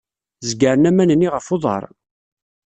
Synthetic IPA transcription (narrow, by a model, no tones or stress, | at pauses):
zɡəɾənæmænənːiʁəfoðˤɑ̰ɾˤ